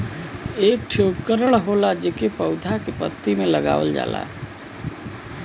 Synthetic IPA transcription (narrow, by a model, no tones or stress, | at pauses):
eːk̚ʈʰokəɾəɽɦolad͡ʒekepəʊd̪ʱakepə̰t̪ːimẽləɡa̰ːʋə̰ld͡ʒa̰ːla̰